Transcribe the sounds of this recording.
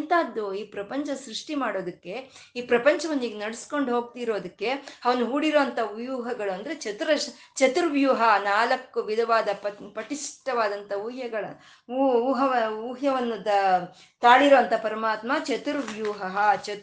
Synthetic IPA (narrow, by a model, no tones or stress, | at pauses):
nt̪aːd̪ːuiːpɾɐpɐɲt͡ʃɐsɾuʂʈimaːɽo̞ːd̪ɐkːe̞iːpɾɐpɐɲt͡ʃɐʋɐnːiːɡenɐɽusko̞ɳɖɦoːɡ̚t̪iɾo̞ːd̪ɐkːe̞ɐʋɐnuɦuːɽiɾoːɐnt̪ɐʋjuːɦɐɡɐɭuɐnd̪ɾe̞t͡ʃɐt̪uɾɐ | t͡ʃɐt̪uɾʋjuːɦɐnaːlɐkːuʋid̪ʱɐʋaːd̪ɐpɐpɐʈiʂʈɐʋaːd̪ɐnt̪ʰɐuːɦjɐɡɐɭɐ | uːɦɐʋɐuːɦjɐʋɐnːud̪ɐ | t̪aːɭiɾoːɐnt̪ʰɐpɐɾɐmaːt̪mɐt͡ʃɐt̪uɾʋjuːɦɐɦɐt͡ʃɐ